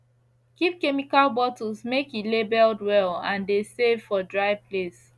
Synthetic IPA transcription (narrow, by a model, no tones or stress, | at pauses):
kip̚kɛmikalbɔtɔzmekjilebɛldwɛlãndesevfɔdɹaɪples